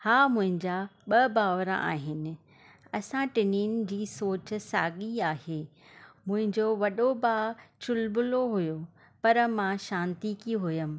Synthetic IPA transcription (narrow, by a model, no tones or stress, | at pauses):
haːmʊ̃ɦɪ̃ɲd͡ʑaɓɐbaːʋɾa̰ʔa̰ːɦɪnɪ̆ | ɐsãʈɪniːnɪ̆d͡ʑiːsoːt͡ɕʊ̆saːɠiaːheː | mʊ̃ɦɪ̃ɲd͡ʑoʋɐɗobaːt͡ɕʊlbʊloɦʊjo | pɐɾmãʃãːnt̪ikiɦʊjəmɪ̆